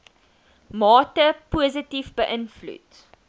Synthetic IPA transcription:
mɑːtəpuəzətifbəʔənflṵt

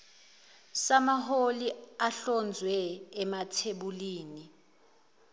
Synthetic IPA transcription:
samaɦoliaɬɔnd͡zʱwɛːmatʰeɓuliːni

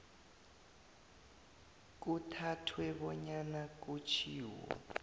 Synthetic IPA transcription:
k̬utʰatʰwɛɓɔɲanak̬ut͡ʃʰiːwwɔ̰

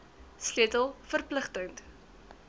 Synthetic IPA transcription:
sliətəlˠfərpləχtəŋnt

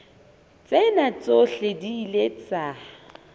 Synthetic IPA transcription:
t͡sʼenat͡sʼoɬediːlet͡sʼa

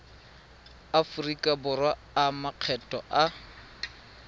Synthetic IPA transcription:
afʊrikʼabʊrwaːmaq͡χʰɛtʼɔʔa

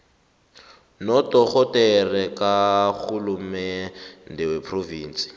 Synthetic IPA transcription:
nɔtɔk͡xɔtɛrɛkak͡xʰulumɛndɪwɛpʰroviːnsi̥

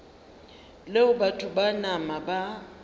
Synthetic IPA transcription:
leʊbatʰʊbanamaba

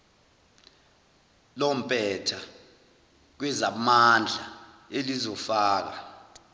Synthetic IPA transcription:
lɔm̩pʼɛtʰa | k̬wɛzamand͡ɮʱaelizɔfaːk̬a̰

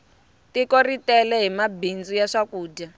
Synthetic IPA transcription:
tikoritɛlɛɦimabind͡zujaʂakuːda

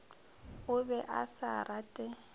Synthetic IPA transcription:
ʊbɛʔasarʔatʼɛ

